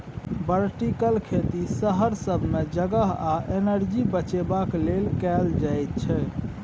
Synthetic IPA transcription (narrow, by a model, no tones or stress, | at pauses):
bəɾʈikəlkʰet̪isəɦəɾsəbʱmed͡ʒəɡəɦaʔenəɾd͡ʒibət͡ʃebaklelkɛld͡ʒajt̪̚t͡ʃʰɛ